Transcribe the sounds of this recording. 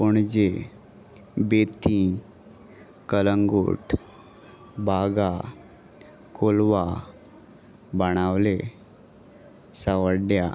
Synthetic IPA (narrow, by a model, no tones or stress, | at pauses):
puɳd͡ʒe | bet̪ĩ | kələŋɡṵːʈ | bʱaɡa | kolʋa | bəɽ̃awle | səʋəɽɖja̰